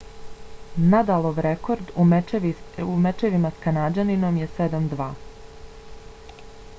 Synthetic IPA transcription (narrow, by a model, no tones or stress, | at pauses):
nad̪alˠoʋɾeko̞ɾd̪u | umet͡ʃeʋimaskanad͡ʒanino̞mjesed̪amd̪ʋaː